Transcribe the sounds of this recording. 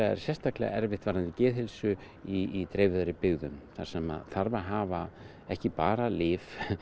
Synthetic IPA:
aɛ̰ɾ̥sjɛst̪aklɛ̰ːɣa̰ɛɾvɪht̪vaːɾnant̪ɪcɛːðhɪlsʏ | iit̪ɾeːjvɪðaɾɪpɪɣðʏmθa̰ɾ̥sɛma̰ðθaɾvaɦaːva | ɛhcɪpaːɾalɪːf

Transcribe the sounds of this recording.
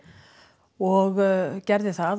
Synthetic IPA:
ɔɣcɛɾðɪθað

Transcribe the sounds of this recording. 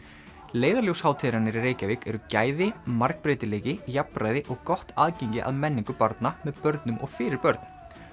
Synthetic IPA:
leːjðaɾljowshaːwt̪ʰɪːɾanɪɾireːjcavɪkɛɾʏcaːjðɪmaɾk̚pɾeːjt̪ɪleːjcɪjapɾaːjðɪʔɔɣkɔht̪ʰaːðcejɲcɪ̰ʔa̰ðmɛnːiŋkʏpaɾt̪namɛðpœɾt̪nʏmʔɔ̰ɣfɪːɾɪɾpœɾt̪n̥

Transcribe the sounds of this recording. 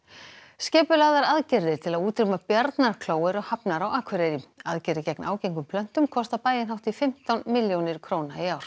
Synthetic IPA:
scɛːpʏlaːɣðaɾaðcɪɾðɪt̪ʰɪlaðuːt̪ɾɪmapjaɾt̪naɾ̥kʰloːwɛɾɔɣhapnaɾawaːkʰvɛɾeːɾɪaðcɪɾðɪcɛknaːwcejŋkʏmpʰlœn̥t̪ʏmkʰɔst̪apaːjðɪnɦawht̪ifɪm̥t̪awnmɪljownɪɾ̥kʰɾoːwnaiaːwɾ̥

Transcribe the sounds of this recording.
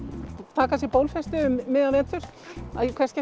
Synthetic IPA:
t̪ʰaːkas̬jɛɾpowlfɛst̪ʏʏːɪːðavɛːt̪ʰʏɾ̥aðjɛkʰvɛrscɛ

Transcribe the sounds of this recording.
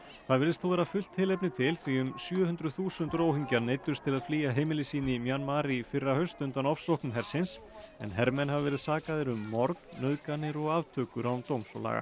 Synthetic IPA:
θaðvɪɾɪst̪θʰowvɛːɾafʏl̥t̪hɪlɛp̬nɪt̪ʰɪlθviʏmsjœːhʏnt̪ɾʏðθuːsʏnt̪ɾoːwhiɲcaɾnejt̪ʏɾst̪ʰɪlaðfliːjaɦeːjmɪlɪsiːnɪmjanmaːɾifɪrːahœɥst̪ʏnt̪anɔfsɔhknʏmɦɛɾ̥sɪns | ɛ̰nɦɛɾmɛnhavavɛːɾɪðsaːkaðɪɾʏmːɔɾðnœðkanːɪɾɔɣaːvt̪ʰœːkʏɾawmt̪owmsɔla̰ɣa̰

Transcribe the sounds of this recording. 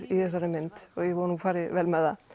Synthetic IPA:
ɾiθɛsːaɾɛmɛnt̪ɔɣjɛɣvɔːɾnufaːɾɪvɛlmɛða

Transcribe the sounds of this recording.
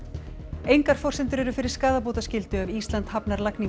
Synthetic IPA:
ejŋkaɾ̥fɔr̥sɪnt̪ʏɾɛɾʏfɪɾɪɾ̥skaːðapoːwt̪ascɪlt̪ʏɛvist̪lant̪hapnaɾlakniŋ

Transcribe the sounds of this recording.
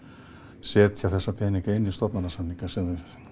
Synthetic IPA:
sɛːt̪çaθɛsːapʰɛniŋkaɪnːist̪ɔpmanasanːikasɛ

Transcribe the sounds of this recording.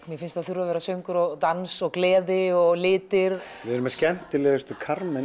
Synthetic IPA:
mjɛɾfɪnst̪aðθjuɾavɛːɾasœɥŋkʏɾɔɣt̪ansɔɣklɛːðɪɔɣlɪːt̪ɪɾvɪðɛɾʏmɛscɛn̥t̪ɪlɛːðʏst̪ʏkʰaɾmɛ

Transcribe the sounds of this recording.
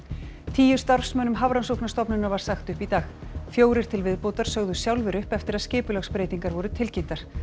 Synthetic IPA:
t̪ʰiːjʏ̥st̪aɾ̥fsmœːnʏmɦavɾansowknast̪ɔpnʏnavaɾ̥saxt̪ʏhpit̪aːxfjoːwɾɪɾ̥t̪ʰɪlvɪðpowt̪aɾ̥sœɣðʏsjawlvɪɾʏhpɛft̪ɪɾaðscɪːpʏlœxspɾeːjt̪iŋkaɾvɔɾʏt̪ʰɪlcen̥t̪aɾ̥

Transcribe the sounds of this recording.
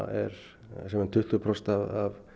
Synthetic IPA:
ɛɾ | sɛmɛnt̪ʰʏht̪lʏpʰɾɔst̪aðav

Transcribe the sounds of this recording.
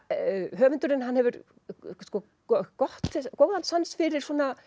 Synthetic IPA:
ɦœːvʏnt̪ʏɾɪnɦanhɛvʏɾ | skɔː | ɔkɔht̪kowðant̪sansfɪɾɪɾ̥sɔna

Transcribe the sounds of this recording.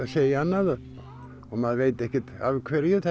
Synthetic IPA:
aseːjaanːaða | ɔmaðveːjt̪ɛhcɪt̪a̰vkʰvɛːɾjʏθɛ

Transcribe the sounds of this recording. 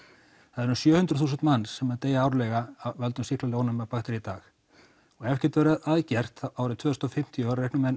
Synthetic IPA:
haðɛɾsjœːhʏnt̪ɾʏθuːsɪnt̪manːsːɛmaðt̪eːjaaːwɾlɛɣaavɛlt̪ʏmsihk̪laloːwnamɛpaxt̪ɪɾit̪aːx | ɔɣɛfcɪɾ̥t̪vɛɾaðaðcɛr̥t̪aːwɾɪt̪ʰv̥œːðʏst̪ɔfɪm̥t̪ʰjɔvaɾɾehknʏmɛnː

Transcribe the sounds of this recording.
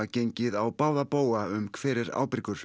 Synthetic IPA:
acejɲcɪðawpaːwðapoːwaʏmkʰv̥ɛːɾɪɾa̰ːwpɾɪkʏɾ̥

